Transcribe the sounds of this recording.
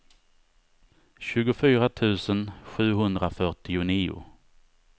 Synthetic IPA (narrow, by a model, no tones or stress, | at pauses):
ɕʉ̟ːɡʊfyːɾat̪ʰʉ̟ːsənɧʉ̟ːɦɵnd̪ɾafœʈɪʊniːʊ̰